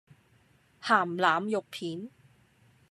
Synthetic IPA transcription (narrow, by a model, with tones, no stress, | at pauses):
haː˨˩mlaː˨mjʊ˨k̚pʰiː˨˥n